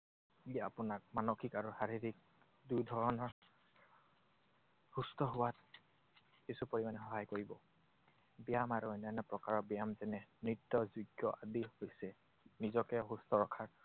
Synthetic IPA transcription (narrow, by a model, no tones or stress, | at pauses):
iaapʊnak̚manoxikaɹuhaɹiɹik̚ | dujdʱɔɹɔnɔɹ | hustɔɦʊwat | kisupoɹimanɛxɔɦajkoɹibɔ | bijamaɹunanɛpɹɔkaɹɔbijamzɛnɛnitːɔzuɡjɔʔa̰dihojsɛ | nizɔkɛɦustɔɹɔkʰaɹ